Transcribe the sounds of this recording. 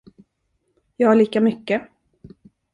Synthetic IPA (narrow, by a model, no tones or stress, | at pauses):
jɑːhaɭiːkamʏkːə